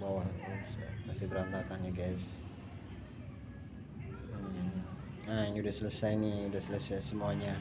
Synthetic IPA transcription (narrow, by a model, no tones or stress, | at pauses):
bawaɦat̪usmasɪhbəɾant̪akanaɡɛs | aniudasələsajniudasələsajsəmuaɲa